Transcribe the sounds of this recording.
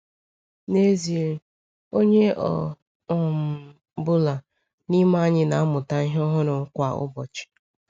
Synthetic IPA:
ne˦zi˨e˨˦ | o˦ɲe˦ʔɔ̰˨ | ɔ˨m̩˨ | bʊ˦la˨ | ni˦ma˦a˦ɲɪ˦na˨a˦mʊ˨ta˦i˦ɦɔ˦ɦʊ˦ɾʊ˨ŋ̩˦kʷa˨ʊ̰˦bɔ̰˨t͡ʃɪ̥˨

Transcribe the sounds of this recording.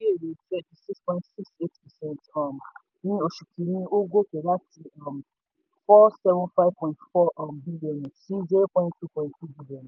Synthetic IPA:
i˦e˦˨ɾe˨tɛ˦ti˨si˦kspɔ̃˨ɪ̃ntsi˦kse˦tpɛ˨sɛ̃˦ntɔ˨m̩˨ | nĩ˦o˨ʃu˨kʰi˨ɾĩ˦o˦ɡʷo˦ke˨ɾa˦ti˨ɔ˨m̩˨ | fɔ˦sɛ˦vʊ̃˦nfa˦ɪ˦vpɔ̃˨ɪ̃ntfɔ˦ʔbi˦li˨ɔ˨n˨si˦ze˦pɔ̃˦ɪ̃˦nttu˦pɔ̃˨j̃ttu˦bi˦li˨ɔ˨n˨

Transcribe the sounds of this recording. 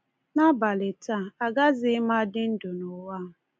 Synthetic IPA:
na˦ba˨lɪ˨ta˦˨a˨ɡa˦zɪ˦ma˦dɪ˦n̩˦dʊ˨nʊ˨wa˦˨

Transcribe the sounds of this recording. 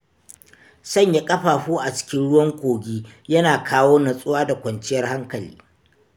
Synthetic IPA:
sɐ˦˨ɲja˦kʼɐ˦ɸaː˨ɸuː˦ʔa˨t͡ʃɪ̥˦kʲɪ˦nɽʊ˦wɐ˦ŋkʷoː˨ɡʲiː˦jɐ˦naː˨kʰaː˦woː˦nɐ˨sʼʊ˦waː˦da˨kʷɐ˨nt͡ʃɪ˦jɐ˦rha˦ŋkɐ˨lḭː˦

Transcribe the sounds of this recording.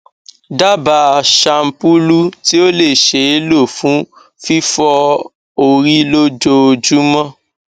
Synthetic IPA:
da˦ba˨ʃa˧m̩˦pu˦lu˦ti˦o˦le˦˨ʃe˨˦e˦lo˦˨fũ˨˦ | fi˦fɔ˧ | o˧ɾi˦lo˦d͡ʒo˧o˧d͡ʒu˦mã˦

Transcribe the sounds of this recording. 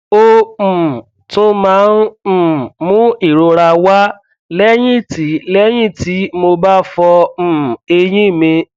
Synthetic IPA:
o˦˨ | tũ˦mãː˨˦n̩˦˨mũ˦i˦˨ɾo˧ɾa˧wa˦ | lɛ˦j̃ĩ˦˨ti˨˦lɛ˦j̃ĩ˦˨ti˨˦mo˧ba˦fɔ˧m̩˨e˧jĩ˦˨mĩ˧

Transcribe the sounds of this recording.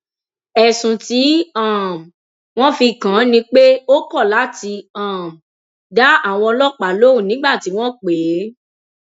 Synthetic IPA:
ɛ˨sũ˨ti˨˦ã˦˨ | w̃ɔ̃˦fi˧˨kã˨˦nĩ˧k͡pe˦o˦kɔ˦˨la˨˦ti˧ã˨m˨ | da˨˦a˦˨w̃ɔ̃˧lɔ˦k͡pa˨˦lo˦ũ˦˨nĩ˨˦ɡ͡ba˦˨ti˨˦w̃ɔ̃˦k͡peː˨˦

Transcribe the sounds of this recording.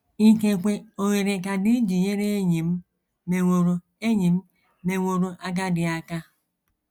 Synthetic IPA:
i˦ke˨kʷe˨o˨ɾe˨ɾe˨ka˨di˦d͡ʒi˨ɲe˦ɾe˦e˦ɲi˨m̩˦ | me˨ŋʷo˨ɾo˨ | e˦ɲi˨m̩˦ | me˨ŋʷo˨ɾo˨ʔa˦ɡa˦dɪ˨a˦ka˦

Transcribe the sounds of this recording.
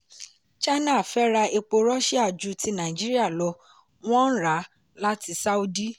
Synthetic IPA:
t͡ʃa˦nã˦˨fɛ˦ɾa˧e˧k͡po˧ɾɔ˦ʃi˦a˦˨d͡ʒu˧˦ti˧˦nã˨d͡ʒi˦ɾi˦a˦˨lɔ˧ | w̃ɔ̃˦n̩˦ɾa˨˦ | la˦ti˧sa˦u˦di˦

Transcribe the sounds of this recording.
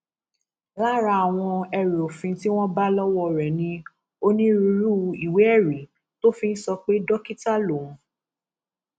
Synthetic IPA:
la˦ɾa˧a˨w̃ɔ̃˧ɛ˧ɾe˨o˨fĩ˧ti˦w̃ɔ̃˦ba˦lɔ˦wɔ˦˧ɾɛ˨nĩ˧ | o˦nĩ˦ɾu˧ɾu˦˧i˨we˨˦ɛ˦˨ɾi˨˦ | to˦fĩ˦n̩˦sɔ˧k͡pe˦dɔ˦ki˦ta˦lõ˨˧˦

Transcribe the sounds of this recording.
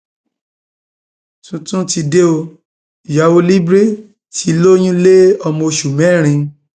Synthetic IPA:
tũ˨˧tũ˦ti˧de˦o˧˨ | ja˨˦wo˧li˦bɾi˦ | ti˦˧lo˦j̃ũ˦le˦ɔ˧mɔ̃˧ʃu˨mɛ̃˨˦˨ɾ̃ĩ˧

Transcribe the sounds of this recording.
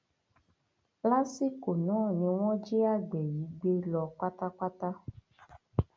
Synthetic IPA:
la˦si˦ko˨nɔ̃˨˦˨ɲĩ˧w̃ɔ̃˦d͡ʒe˦a˦˨ɡ͡bɛ˨ji˨˦ɡ͡be˦lɔ˧k͡pa˦t̪a˦k͡pa˦t̪a˦

